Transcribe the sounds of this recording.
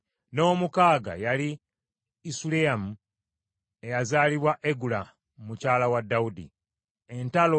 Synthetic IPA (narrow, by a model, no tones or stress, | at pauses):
no̞ːmukaːɡa̰jaliː | suleamu | e̞jazaːliβwaʔeɡula | mumucaːlawadːaudḭ | e̞ntalo